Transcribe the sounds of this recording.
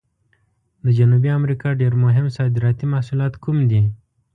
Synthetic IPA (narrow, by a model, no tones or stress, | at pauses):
d̪əd͡ʒanubiamɾikɑɖeɾmʊɦɪmsɑd̪ɪɾɑt̪imahsulɑt̪kumd̪i